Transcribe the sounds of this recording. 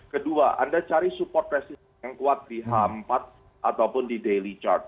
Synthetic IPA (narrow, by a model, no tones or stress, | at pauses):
kəduaʔa̰ndat͡ʃaɾisupɔrt̪̚resi | jaŋkuat̪̚diɦampat̪̚ | ʔat̪awpʊndidelit͡ʃa̰rt̪̚